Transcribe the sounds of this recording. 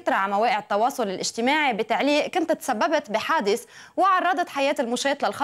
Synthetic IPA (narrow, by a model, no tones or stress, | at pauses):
t̪ɾˤɑʕmaweːʔɪʕɪt̪ːɑwɑːsˤʊlɪlʔɪʒ̥t̪ɪmaːʕibɪt̪aʕliːʔkʊnt̪t̪ːsabːabt̪biħaːd̪ɪθ | wɪʕɑrˤːɑːd̪ɑt̪ħajeːt̪ɪlmʊʃeːt̪lalxɑ